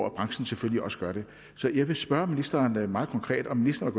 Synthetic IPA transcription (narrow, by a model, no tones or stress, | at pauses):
æb̥ʁɑ̈ŋsn̩sefølliɒ̽səɡ̥ɶɐɾ̥e̝ | sɒ̽jɑ̈ɪʋe̝sb̥ɶɐminisd̥ɐːnmɑ̈ːð̩ˠkʰɒ̽ŋkʰʁɛ̰ːd̥ɒ̽mːinisd̥ɐnʋeɡɔ